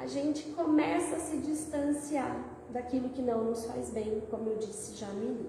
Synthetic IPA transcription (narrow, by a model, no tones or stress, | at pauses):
a̰ʒẽnt͡ʃɪ̥komɛsɐasɪd͡ʒist̪ɐ̃siaɾ | d̪akilʊkɪnɐ̃w̃nʊsfa̰jzbẽj̃kõmʊewd͡ʒisɪʒaːmiɡʊ